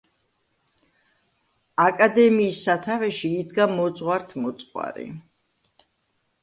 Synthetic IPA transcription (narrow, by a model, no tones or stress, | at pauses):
akʼad̪ɛmiːsːat̪ʰavɛʃiːd̪ɡamɔt̪sʼʁwaɾt̪ʰmɔt̪sʼwa̰ɾḭ